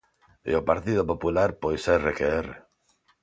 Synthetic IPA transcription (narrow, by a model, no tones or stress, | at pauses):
ḛopaɾt̪iðopopulaɾpojseɾrekeere